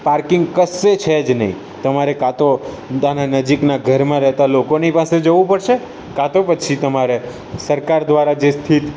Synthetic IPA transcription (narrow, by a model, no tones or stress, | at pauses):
paɾkɪ̃ŋɡkəset͡ʃʰed͡ʒnə̰ɦḭ̃ | t̪əmaɾekat̪o | ananəd͡ʒiknaɡʱəɾmãɾɛɦt̪alokonipased͡ʒəʋũpəɽʃe | kat̪opət͡ʃʰit̪əmaɾe | səɾkaɾd̪ʋaɾad͡ʒest̪ʰit̪